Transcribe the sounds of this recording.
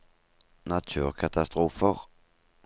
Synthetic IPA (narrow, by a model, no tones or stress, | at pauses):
nat̪ʰʉːʁkʰat̪ʰast̪ɾuːfəʁ